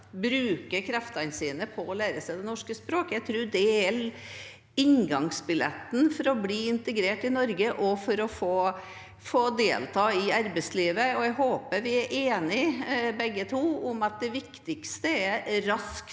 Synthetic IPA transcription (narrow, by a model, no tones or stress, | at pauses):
bɾʉːkəkʰɾɛft̪ɑnsiːnəpʰɔɔlæːɾəsæɪd̪ɛnɔʂkəspɾoːkəæɪt̪ʰɾʉːd̪ɛæl | ɪŋɡɑŋsbɪlɛ̰t̪ːn̩fɔɾɔbliːɪnt̪əɡɾeːʈɪnɔɾɡəʔɔfɔɾɔfoː | foːd̪eːlt̪ʰɑːɪɑɾbəsliːʋəɔɛɡɦoːpəɾʋɪæɾʔeːnɪbɛɡːət̪ʰuːʊmɑt̪̚d̪ɛʋɪkt̪ɪkst̪əɛɾɾɑsk